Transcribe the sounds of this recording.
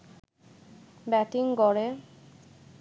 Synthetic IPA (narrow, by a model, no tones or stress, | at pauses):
bɛʈiŋɡɔɾe